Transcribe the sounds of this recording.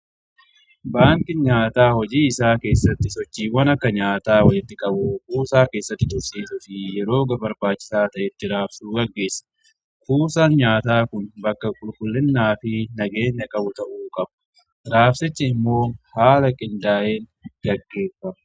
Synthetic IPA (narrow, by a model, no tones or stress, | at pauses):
baːŋkɪɲaːt̪aːhɔd͡ʒiːɪsaːke̞ːsːɐt̪ːɪsɔt͡ʃːiːwɐnɐkːɐɲaːt̪aːwɔd͡ʒɪt̪ːɪkʼɐbʊkuːsaːke̞ːsːɐt̪ːɪd̪ʊɾsiːsʊfɪjɛɾo̞ːɡɐbɐɾbaːt͡ʃːɪ̥saːt̪ɐʔɛt̪ːɪɾaːfsuːɡɐɡːe̞ːsːɐ̥ | kuːsaːnɲaːt̪aːkʊnbɐkːɐkʼʊlkʼʊlːɪnːaːfɪnɐɡe̞ːɲːɐkʼɐbʊt̪ɐʔuːkʼɐbɐ̥ | ɾaːfsɪt͡ʃːɐɪmːo̞ːhaːlɐkʼɪnd̪aːʔeːnɡɐɡːe̞ːfːɐmɐ